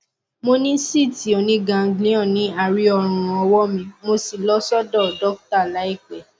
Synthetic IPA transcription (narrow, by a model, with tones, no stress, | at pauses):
mo˧nĩ˦si˦˨ti˨ɔ˨nĩ˧˦ɡã˨ŋ˦ɡlĩ˨˦ɔ̃˦˨nĩ˨˦a˨ɾi˦ɔ˧ɾ̃ũũ˨ɔ˧wɔ˦mĩ˧mo˧si˨lɔ˦sɔ˦dɔ˦˨dɔ˦k̚ta˦˨la˨˦i˦˨k͡pɛ˨